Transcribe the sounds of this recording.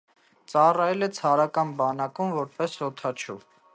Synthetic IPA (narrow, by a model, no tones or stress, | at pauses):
t͡sɑrɑjɛlɛt͡sʰɑɾɑkɑnbɑnɑkumvɔɾpɛshɔt̪ʰɑt͡ʃʰṵ